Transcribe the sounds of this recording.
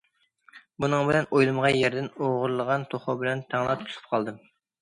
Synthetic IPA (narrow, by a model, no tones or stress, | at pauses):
bunɨŋbɪlɛnojlˠɨmʁɑjɛɾd̪ɪnoʁʊɾlˠəʁɑnt̪ʰoχʊbɪlɛnt̪ʰæŋlˠɑp̚t̪ʰu̥t̪ʰu̥p̚qʰɑlˠd̪ɨm